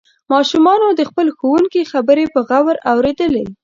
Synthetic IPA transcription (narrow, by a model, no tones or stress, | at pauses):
mɑʃumɑnod̪əxpəlxowuŋkixabəɾepəɣawəɾawɾed̪əle